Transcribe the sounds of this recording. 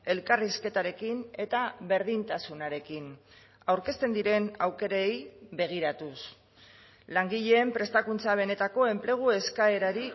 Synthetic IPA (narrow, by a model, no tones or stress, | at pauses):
e̞lkariske̞t̪aɾe̞kine̞t̪aβe̞ɾð̞int̪asunaɾe̞kin | awɾke̞st̪e̞nd̪iɾe̞nawke̞ɾaejβe̞ɣ̞iɾat̪us | laŋɡiʎe̞ːmpɾe̞st̪akunt͡saβ̞e̞ne̞t̪ako̞e̞mple̞ɣ̞ue̞skae̞ɾaɾi